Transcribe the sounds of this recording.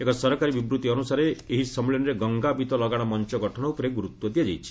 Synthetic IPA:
ekɔsɔɾɔkaɾibibɾut̪iɔnusaɾeeɦisɔmilinɾeɡɔŋɡabit̪ɔlɔɡaɽ̃ɔmɔnt͡ʃɔɡɔʈʰɔɽ̃ɔupɔɾeɡuɾut̪wɔd̪ijad͡ʒajt͡ʃʰi̥

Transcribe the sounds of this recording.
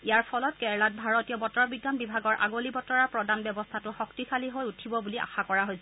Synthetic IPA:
ijaɹpʰɔlɔt̚kɛɹlat̚bʱaɹɔtijɔbɔtɔɹbiɡːanbibʱaɡɔɹʔa̰ɡolibɔtɔɹaɹpɹɔdanbjɛbɔstʰatʊxɔktikʰaliɦojutʰibɔbuliʔa̰xakɔɹaɦojsɛ

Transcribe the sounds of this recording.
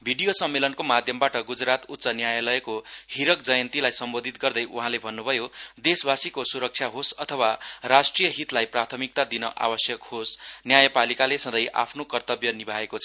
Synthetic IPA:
bʱiɽijosʌmːelʌnkomad̪ʱjʌmbaʈʌɡud͡zrat̪ut̪ːsʌnjajalʌekohiɾʌk̚d͡zʌjʌnt̪ilajsʌmbod̪ʱit̪ɡʌrd̪ʌjʔuɦãlebʱʌnːubʱʌjod̪esbasikosuɾʌk̚t͡sʰjaɦosʌt̪ʰʌwarasʈrijʌɦit̪lajprat̪ʰʌmik̚t̪ad̪inʌʔa̰bʌsjʌkhosnjajʌpalikalesʌ̃d̪ʌjʔa̰pʰnokʌrt̪ʌbjʌnibʱaekot͡sʰʌ

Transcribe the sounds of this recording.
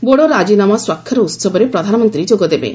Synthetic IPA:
boɽoɾad͡ʒinamɔswakʰːjɔɾɔut̪sɔbɔɾepɾɔd̪ʱanɔmɔnt̪ɾid͡ʒoɡɔd̪ebḛ

